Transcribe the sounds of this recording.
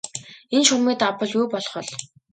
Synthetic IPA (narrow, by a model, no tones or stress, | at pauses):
enʃuɣmiːt̪apə̆ɮjuːpɔɮχɞ̆ɮ